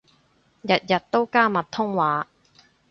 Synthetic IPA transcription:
jɐ˨t̚jɐ˨t̚t̪o˥wkaː˥mɐ˨t̪ʰːʊ˥ŋwaː˨˥

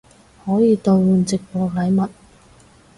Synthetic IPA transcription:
hɔː˨˥jiː˨˧t̪o˧wwuː˨˧nt͡sɪ˨k̚pɔː˧lɐ˨˥jmɐ˨t̚

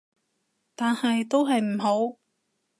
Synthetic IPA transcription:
t̪aː˨nhɐ˨jt̪o˥wɦɐ˨jm̩˨˩ɦo˨˥w

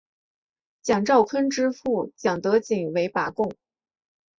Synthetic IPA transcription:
t͡ɕjɑ˨˩ŋʈ͡ʂɑ˥˩ʊkʰə˥nʈ͡ʂɻ̩˥fu˥˩t͡ɕjɑ˨˩ŋt̪ɤ˧˥t͡ɕi˨˩ŋwe˧˥ɪpa˨˩kʊ˥˩ŋ

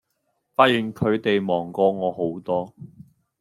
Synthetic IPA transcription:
faː˧˥t̚jiː˨˩nkʰɵ˨˧ɥt̪e˨jmɔː˨˩ŋkɔː˧ŋɔː˨˧ho˨˥wt̪ɔː˥

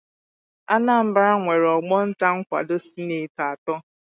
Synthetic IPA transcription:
a˦na˦˨m̩˦ba˦ɾa˦ŋʷe˨ɾɔ˨ɡ͡bɔ˦n̩˦ta˦ŋ̩˦kʷa̰˨do˦si˦ne˨ta˨a˨tɔ˦

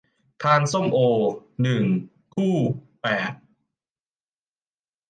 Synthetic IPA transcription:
t̪ʰaː˧nso˥˩mʔoː˧nɯ˨˩ŋ | kʰuː˥˩ | pɛː˨˩t̪̚

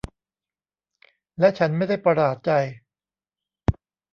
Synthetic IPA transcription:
lɛ˦˥t͡ɕʰa˦˥nma˥˩jda˥˩jpɾa˧ɾaː˨˩t̪̚t͡ɕa˧j

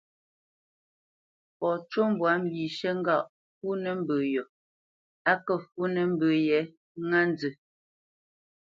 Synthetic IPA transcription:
pɔ˨t͡ʃo˦m˦bwa˨˦m̩˦bi˨ʃə˦ŋ˦ɡa˦˨ʔ | fu˦nə˦m̩˦bə˨jɔ˨ | a˦kə˦fu˦nə˨m̩˦bə˨jɛ˨˦ | ŋa˦n˦d͡zə˨

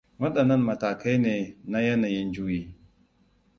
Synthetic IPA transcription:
wɐ˦ɗɐ˨nːɐ˦mmɐ˨taː˨ka˦jneː˨na˦jɐ˦naː˨jɪ˦nd͡ʒu˦jiː˦

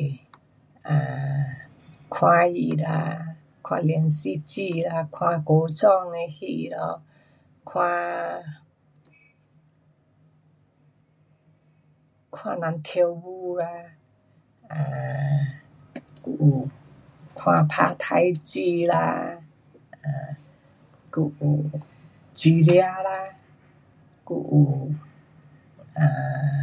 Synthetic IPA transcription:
ʔa˨ | kʰwa˧ji˧ɾa˧ | kʰwa̰˧le˧˨nsi˧˦t͡ɕi˧ɾa˧kʰwa˧ko˨˧˦t͡sɔ˧ŋne˧hi˧˩ɾɔ˧ | kʰwa˧ | kʰwa˧na˧nt̪ʰe˧wwu˧ɡa˧ | a | kuʔu | kʰw̃apʰat̪ʰajt͡ʃila̰ | a | kuʔu | d͡ʒiɾiala | kuʔu | a

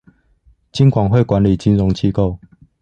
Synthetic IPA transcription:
t͡ɕi˦nkʰwa˨˩ŋɦwe˥˨ɪkwa˨˦nli˨˩t͡ɕi˦nɻɔ˨˦ŋt͡ɕʰi˥˧ko˥˨ʊ

